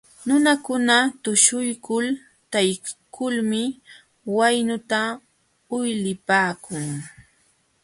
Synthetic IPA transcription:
nʊnakʊnat̪ʊʃʊjkʊl | t̪ajkʰʊlmɪ | wajnʊt̪a | ʊjlɪpaːkʊŋ

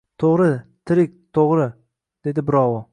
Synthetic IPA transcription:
t̪ʰoʁɾɪt̪ʰɪɾɪk̚ʲt̪ʰoʁɾɪ | d̪̥e̞d̪ɪbɪɾɒwɒ

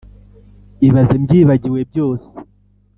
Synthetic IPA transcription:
iβazemɟiːβaɟiwe̞b̚jo̞ːse̥

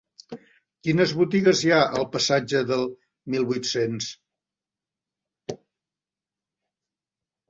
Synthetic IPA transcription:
kinəzβut̪iɣəzjaʔəlˠpəsad͡ʒəðəlˠ | milˠβut̪sens

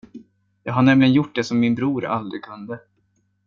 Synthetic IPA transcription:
jɑːɡɦaɳɛmlɪɡənjʊʈ̚ːd̪ɛsɔmːɪnbɾuːɾa̰ld̪ɾɪkʰɵnd̪ə

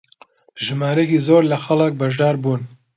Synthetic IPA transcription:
ʒɨmaːɾekiːzoːɾlɐxɐlɨk̚bɐʒd̪aːɾbuːn

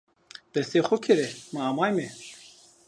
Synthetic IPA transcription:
d̪̥ɛst̪eːxʊkʰɨɾɛmɨɑːmɑːjme

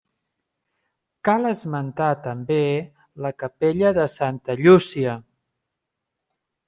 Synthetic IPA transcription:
kaləzmənt̪at̪əmbe | ləkəpeʎəðəsant̪əʎusiə

